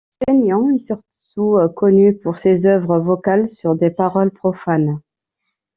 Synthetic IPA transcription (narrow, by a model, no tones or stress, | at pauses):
fenjɑ̃esyʁt̪ | ukɔnypuʁsezœvʁəvɔkalsyʁd̪epaʁɔlpχɔfan